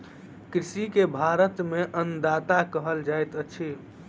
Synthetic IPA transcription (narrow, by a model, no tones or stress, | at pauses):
kɾisikebʱaɾət̪meʔənd̪at̪akəɦəld͡ʒajt̪ət͡ʃʰi